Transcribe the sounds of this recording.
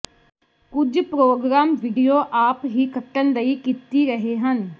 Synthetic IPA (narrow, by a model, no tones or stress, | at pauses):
kʊd͡ʒpɾoːɡɾaːmʋɪɖijoːʔaːpɦiːkəʈːənd̪əiːkit̪iːɾəɦeːɦən